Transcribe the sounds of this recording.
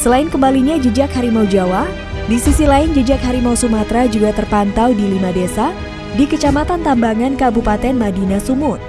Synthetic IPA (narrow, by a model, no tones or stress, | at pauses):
səlaɪnkəmbaliɲad͡ʒəd͡ʒakhaɾimaud͡ʒawa | disisilaɪnd͡ʒəd͡ʒak̚haɾimausumat̪ɾad͡ʒuɡat̪ərpant̪awdilimadesa | dikət͡ʃamat̪ant̪ambaŋankabupat̪ɛnmadinasumʊt̪̚